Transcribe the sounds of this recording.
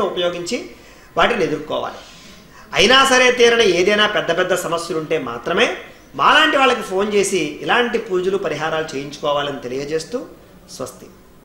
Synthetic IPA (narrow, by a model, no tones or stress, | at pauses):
uupɐjoːɡiɲt͡ʃi | ʋaːʈinied̪uɾkɔ̰ːʋa̰ːli | ɐjinaːsɐɾe̞ːt̪iːɾɐnɐe̞ːd̪ɐjnaːpɛd̪ːɐpɛd̪ːɐsɐmɐsjɐluɳʈe̞ːma̰ːt̪ɾɐme̞ː | ma̰ːlaːɳʈiʋaːɭːɐk̬ipʰo̞ːnt͡ʃe̞ːsiːlaːɳʈipuːd͡ʒulupɐɾiɦaːɾaːlut͡ʃeːjiɲt͡ʃu̥kɔːʋaːlɐnit̪e̞lijɐd͡ʒe̞ːst̪uː | sʋɐ̰st̪ʰi̥